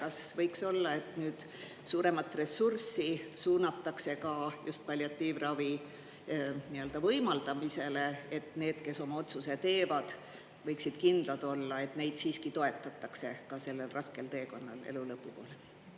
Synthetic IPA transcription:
kɑsvɤjkso̞lːɑe̞t̪nyːd̪̥ | suːɾe̞mɑt̪ːˑre̞sursːisuːnɑt̪ːˑɑkse̞kɑjust̪̚pɑlʲjɑt̪ːiːvrɑvi | niø̞ld̪̥ɑvɤjmɑld̪̥ɑmise̞le̞et̪ːˑne̞ːd̪̥ke̞so̞mɑo̞t̪suse̞t̪e̞ːvɑd̪̥ | vɤjksid̪̥kind̪̥lɑd̪o̞lːɑe̞t̪ne̞jd̪̥siːskit̪o̞e̞t̪ːˑɑt̪ːˑɑkse̞kɑse̞lːe̞lrɑske̞lt̪e̞ːko̞nːɑ̰lḛlulɤpːupo̞ːle

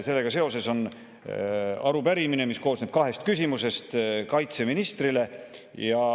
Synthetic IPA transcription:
se̞lːe̞ɡ̥ɑse̞o̞se̞so̞n | ɑɾubæɾimine̞misko̞ːsneb̥̚kɑɦe̞st̪̚kysimuse̞st̪kɑjt̪se̞minist̪rile̞ | jɑ

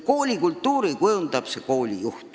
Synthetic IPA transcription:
ko̞ːlʲikult̪ːuːɾikujund̪ɑb̥seko̞ːlʲḭjuht̪

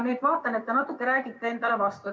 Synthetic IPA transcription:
nejd̪vɑːt̪ːˑɑnet̪ːenɑt̪ːˑukːeɾæːɡit̪ːee̞nd̪̥ɑle̞vɑst̪u

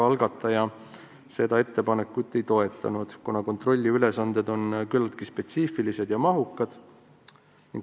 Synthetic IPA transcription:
ɑlɡ̥ɑt̪ːˑɑjɑ | se̞d̪̥ɑe̞t̪ːe̞pɑne̞kːˑut̪ːˑe̞jt̪o̞e̞t̪ːˑɑ̰nud̪̥kunɑko̞nt̪ro̞lʲːiyle̞sɑnd̪e̞d̪o̞nkylːɑt̪̚kispe̞t̪siːfilise̞d̪̥jɑmɑɦukːˑɑd̪̥ | niŋɡ

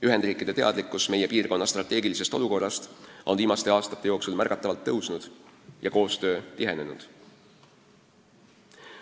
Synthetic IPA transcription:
yɦend̪riːkːˑid̪̥e̞t̪e̞ɑ̰d̪̥likːˑusme̞je̞piːrko̞nːɑst̪rɑt̪ːˑe̞ːɡilise̞st̪o̞luko̞rːɑst̪ʔo̞nviːmɑst̪e̞ɑːst̪ɑ̥t̪ːe̞jo̞ːksulmærɡ̥ɑt̪ːˑɑvɑlt̪ːɤwsnud̪̥jɑko̞ːst̪ø̞ːt̪iɦe̞nenṵd̪̥

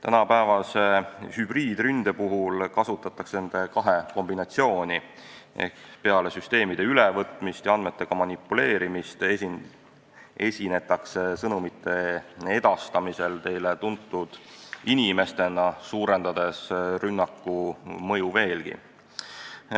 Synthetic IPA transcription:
t̪ænɑpævɑsehyb̥riːd̪̥rynd̪̥epuɦulkɑsut̪ːˑɑt̪ːˑɑksne̞nd̪̥e̞kɑɦeko̞mbinɑt̪sio̞ːnʲi | ḛkpe̞ɑle̞syst̪e̞ːmid̪̥eylevɤt̪ˑmist̪jɑɑnd̪me̞t̪ːe̞ɡ̥ɑmɑnʲipːule̞ːɾimist̪ei | e̞sʲine̞t̪ːˑɑkse̞sɤnumit̪ʰːˑe̞e̞d̪̥ɑst̪ɑmise̞lt̪e̞jlet̪unt̪ːˑud̪̥inime̞st̪e̞nɑsuːɾe̞nd̪̥ɑd̪̥e̞srynːɑkːumɤ̞juve̞ːlɡ̥ḭ

